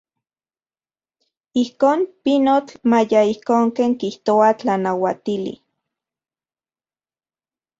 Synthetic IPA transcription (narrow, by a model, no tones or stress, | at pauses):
ihkoːnpinot͡ɬmajaihkoːŋkeːŋkiht̪oat͡ɬanawat̪ilḭ